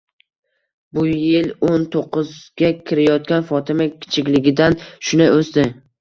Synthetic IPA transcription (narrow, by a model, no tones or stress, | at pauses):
bʊjɪlont̪ʰoqːɨzɡʲakʲʰɪɾajɒt̪kʲanfɒt̪ʰɪmakʲʰɪ̥t͡ʃʰɪkʲlɪɡʲɪd̪anʃʊnɪʔost̪ɪ